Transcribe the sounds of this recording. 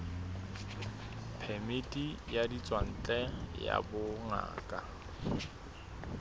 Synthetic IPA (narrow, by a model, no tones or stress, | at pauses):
pʰɛmɪtʼijadit͡sʼwan̩t͡ɬʼɛja̰bʊŋa̰ːkʼa